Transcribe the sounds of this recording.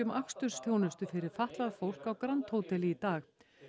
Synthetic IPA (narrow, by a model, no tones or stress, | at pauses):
ʏmakst̪ʏɾ̥sθjownʏst̪ʏfɪɾɪɾ̥faht̪laðfowl̥kawkɾant̪howt̪ɛlit̪aːx